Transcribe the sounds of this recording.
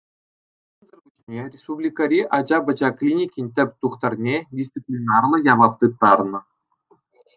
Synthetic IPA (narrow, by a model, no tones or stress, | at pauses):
zə̆rbut͡ɕnʲerʲespublʲikɑɾʲiʔɑd͡ʑɑbɤ̆d͡ʑɑklʲinʲikʲinʲt̪ʲɘ̆pʲt̪uχt̪ɑrnʲedʲist̪t͡sɨpʲlʲinɑrlˠɤ̆jɑʋɑt̪ːɯt̚t̪ːɑrnɤ̆